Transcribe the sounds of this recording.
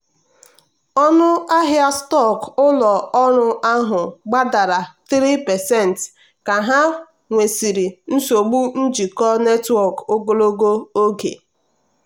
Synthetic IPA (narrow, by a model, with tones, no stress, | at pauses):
ɔ˦nʊ˦a˦ɦja˦stɔ˦˨kʊ˦lɔ˨ɔ˦ɾʊ˦a˦ɦʊ˨ɡ͡ba˦da˨ɾa˨t̪ɾi˦pɛ˨sɛ˦˨n̩˨t | ka˨ɦa˦ | ŋʷe˨si˨ɾi˨n̩˦so˨ɡ͡bu˦n̩˦d͡ʒi˨kɔ˦ne˦twɔ˦˨ko˦ɡo˦lo˦ɡo˦o˦ɡḛ˨